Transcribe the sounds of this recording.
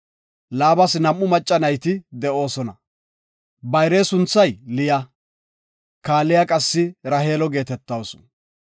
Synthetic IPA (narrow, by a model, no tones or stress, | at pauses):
laːbɐsnɐmːʊmɐt͡ʃʼːɐnɐjt̪ɪd̪ɛʔo̞ːsɔnɐ | bɐjɾeːsʊnt͡sːɐjlɪjɐ | kaːlːɪjakʼɐsːɪɾɐhe̞ːlɔɡe̞ːt̪ɛt̪ːɐwsʊ̥